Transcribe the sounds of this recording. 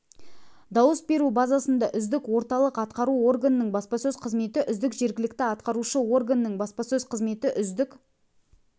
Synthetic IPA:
d̪ɑwəsbe̞ɾubɑzɑsənd̪ɑʔʏzd̪ɪkwo̞ɾt̪ɑlˠəqɑt̪qɑɾuo̞rɡanənəɴbɑspɑsɵzqʰəzme̞t̪ɪʔʏzd̪ɪkʒe̞ɾɡʲɪlɪk̚t̪ɪɑt̪qɑɾuʃəwo̞rɡanənəɴbɑspɑsɵzqʰəzme̞t̪ɪʔʏzd̪ɪk

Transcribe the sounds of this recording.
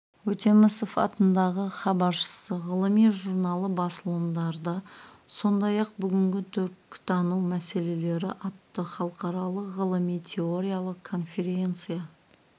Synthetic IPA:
wɵt̪e̞mɪsofɑ̰t̪ənd̪ɑʁəχɑbɑɾʃə̥səʁəlˠəmijʒuɾnɑlˠəbɑsəlˠəmd̪ɑɾd̪ɑso̞nd̪ɑjɑq̚bʏɡʲɪŋɡʲɪt̪ʰʏɾkt̪ʰɑnuwmæse̞le̞le̞ɾɪʔɑt̪ːəχɑlˠəqɑɾɑlˠəqʁəlˠəmijt̪ʲʰe̞oɾʲijalˠəqʰːo̞nfʲe̞ɾʲe̞nt̪sɨja

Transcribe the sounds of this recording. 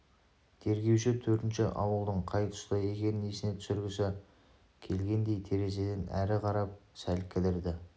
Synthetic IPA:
t̪ʰe̞ɾɡʲe̞wʃɪt̪ʰɵɾt̪ɪnʃɪʔɑwəlˠd̪əɴqʰɑjt̪ʰʊ̥st̪əje̞ɡʲe̞ɾnesɪne̞t̪ʰʏ̥sɪɾɡʲɪsɑ | kʲʰe̞lɡʲe̞nd̪e̞jt̪ʰe̞ɾe̞ze̞d̪enʔæ̰ɾɪqʰɑɾɑp̚sælkʲʰɪlɪɾd̪ɪ

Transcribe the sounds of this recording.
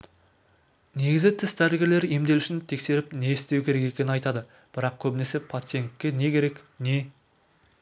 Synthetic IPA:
ne̞ɡʲɪzɪt̪ʰɪst̪ʰæɾɡʲeɾle̞ɾe̞md̪e̞luʃɪnt̪ʰe̞kse̞ɾɪpne̞ɪst̪e̞wkʲʰe̞ɾe̞ke̞kʲe̞nɪnɑjt̪ɑd̪ə | b̥ɪɾɑqkʲʰɵbɪne̞se̞pʰlat̪sɨjeŋkʲːe̞ne̞kʲʰe̞ɾe̞kne̞

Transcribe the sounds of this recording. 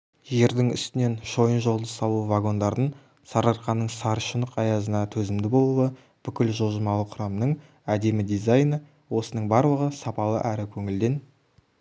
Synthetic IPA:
ʒe̞ɾd̪ɪŋʏ̰st̪ɪne̞nʃo̞jənʒo̞lˠd̪əsɑlˠuvaɡo̞nd̪ɑɾd̪ən | sɑɾɑɾqɑnːəɴsɑɾʃənəqɑjɑzənɑt̪ʰɵzɪmd̪ɪbo̞lˠuwə | b̥ʏkʲɪlʒo̞lˠʒəmɑlˠəqʰʊ̥ɾɑmnəɴ | æd̪e̞mɪd̪ijzajnə | wo̞sənəɴbɑɾlˠəʁəsɑpɑlˠə̰ʔæɾɪkʲʰɵŋɪld̪e̞n

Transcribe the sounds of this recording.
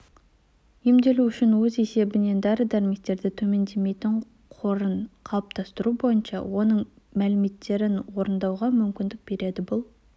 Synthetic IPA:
emd̪e̞luʏʃɪnwɵze̞se̞bɪne̞nd̪ɑɾəd̪æɾme̞k̚t̪e̞ɾd̪ɪt̪ʰɵme̞nd̪e̞me̞jt̪ɪɴ | qʰo̞ɾənqʰɑlˠp̚t̪ʰɑst̪əɾubo̞jənʃɑ̰wo̞nəɴ | mælɪme̞t̪ːe̞ɾɪnwo̞ɾənd̪ɑwʁɑmʏmkʲɪnd̪ɪk̚b̥e̞ɾe̞d̪ɪbʊlˠ

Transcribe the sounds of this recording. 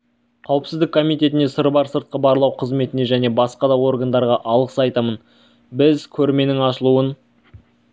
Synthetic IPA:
qʰɑwəpsɪzd̪ɪkʰːo̞mijt̪e̞t̪ɪne̞səɾbɑɾsəɾt̪̚qəbɑɾlˠɑwqʰəzme̞t̪ɪne̞ʒæne̞bɑsqɑd̪ɑwo̞rɡənd̪ɑɾʁɑʔɑlˠʁəsɑjt̪ɑmən | bɪzkʲʰɵɾme̞nɪŋɑʃəlˠuən

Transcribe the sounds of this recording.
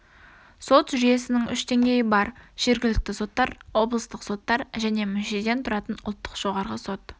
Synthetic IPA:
so̞t̪ʒʏje̞sɪnɪŋʏʃd̪e̞ŋɡʲe̞jɪbɑɾʒ̥e̞ɾɡʲɪlɪk̚t̪ɪso̞t̪ːɑɾwo̞blˠəst̪əqso̞t̪ːɑɾʒæne̞mʏnʃed̪e̞nt̪ʰʊɾɑt̪ənʊ̰lˠt̪ːə̥qʒ̥o̞ʁɑɾʁəso̞t̪

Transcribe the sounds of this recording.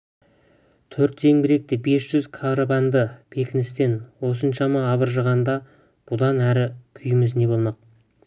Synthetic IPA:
t̪ʰɵɾt̪ːʰe̞ŋbɪɾe̞k̚t̪ɪbe̞sʒ̥ʏzkʰaɾobɑnd̪əpʰe̞kʲɪnɪst̪e̞nwo̞sənʃɑmɑːβəɾʒəʁɑnd̪ɑ | b̥ʊd̪ɑnæɾɪkʲʰʏjɪmɪzne̞bo̞lˠmɑq̚

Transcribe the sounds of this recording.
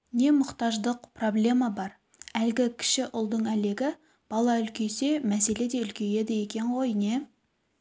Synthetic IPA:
ne̞mʊqt̪ɑʒd̪əqpro̞blʲe̞mɑbɑɾ | ælɡʲɪkʲʰɪ̥ʃɪʔʊlˠd̪əɴæle̞ɡʲɪ | b̥ɑlˠɑʏlkʲe̞se̞mæse̞le̞d̪e̞ʏlkʲʰe̞je̞d̪ɪje̞kʲe̞ɴʁo̞jne̞

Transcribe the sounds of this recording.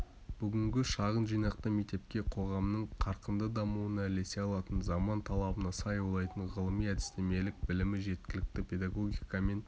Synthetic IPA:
b̥ʏɡʲɪŋɡʲɪʃɑʁənʒijnɑq̚t̪əmekt̪e̞p̚kʲe̞qʰo̞ʁɑmnəɴqʰɑɾqənd̪əd̪ɑmuənɑle̞se̞ɑlˠɑt̪ənzɑmɑnt̪ʰɑlˠɑbənɑsɑjuwlˠɑjt̪əɴʁəlˠəmijæd̪ɪst̪e̞me̞lɪk̚bɪlɪmɪʒe̞t̪̚kʲɪlɪk̚t̪ɪpʰʲe̞d̪ɑɡo̞ɡʲijkɑme̞n

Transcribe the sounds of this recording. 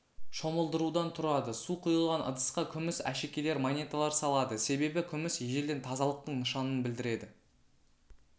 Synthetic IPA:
ʃoməlˠd̪əɾud̪ɑnt̪ʰʊɾɑd̪əsuqʰʊjəlˠʁɑnə̰d̪əsqɑkʲʰʏmɪsæ̰ʃe̞kʲe̞le̞ɾmanʲe̞t̪alˠɑɾsɑlˠɑd̪əse̞be̞bɪkʲʰʏmɪsjeʒeld̪e̞nt̪ʰɑzɑlˠəq̚t̪əɴnəʃɑnənbɪld̪ɪɾe̞d̪ɪ

